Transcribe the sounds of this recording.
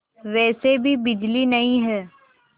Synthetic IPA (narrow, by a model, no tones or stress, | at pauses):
ʋɛːsebʱibɪd͡ʒlinɐĩɦɛː